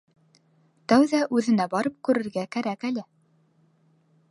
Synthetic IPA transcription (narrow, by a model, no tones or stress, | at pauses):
t̪æwðæʔʉðɘ̆næbɑɾɤp̚kʉɾɘ̆ɾɡækæɾækælɘ